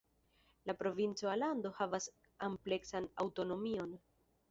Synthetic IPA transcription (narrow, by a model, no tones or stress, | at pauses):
lapɾo̞vint͡soalando̞havas | ample̞ksana̰wto̞no̞mio̞n